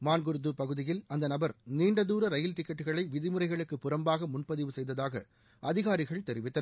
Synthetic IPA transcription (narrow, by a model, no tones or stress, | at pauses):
maːnɡɯɾɯðɯpɐɣɯðɪjɪlɐnd̪ɐnɐbɐɾniːɳɖɐðuːɾɐɾɐjɪlt̪ɪkːɐʈːɯɣɐɭɐɪʋɪðɪmɯɾɐɪɣɐɭɯkːɯpːʊɾɐmbaːɣɐmʊnpɐðɪʋɯsɛjðɐðaːɣɐ | ʔɐðɪɣaːɾɪɣɐɭt̪ɛɾɪʋɪt̪ːɐ